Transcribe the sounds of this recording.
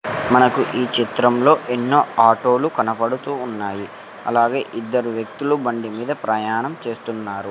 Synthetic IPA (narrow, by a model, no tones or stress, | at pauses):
mɐnɐkuʔiːt͡ʃit̪ɾɐmlo̞ːʔenːo̞ːaːʈo̞ːlukɐnɐpɐɽut̪uːnːaːji | ɐ̰laːɡe̞ːʔid̪ːɐɾuʋjɐk̚t̪ulubɐɳɖimiːd̪ɐpɾɐjaːɳɐmt͡ʃe̞ːst̪unːaːɾu